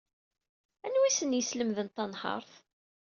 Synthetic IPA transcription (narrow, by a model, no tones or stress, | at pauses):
ænwisənjəsləmðənt̪ːɑnħɑ̰ɾˤθ